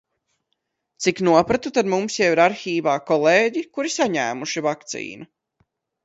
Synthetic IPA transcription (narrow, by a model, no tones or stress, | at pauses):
t̪siknuɔpɾat̪ut̪aɾmumsjɛwiɾaɾxiːvaːkɔlˠeːɟikuɾisaɲæːmuʃivak̚t̪sḭːnu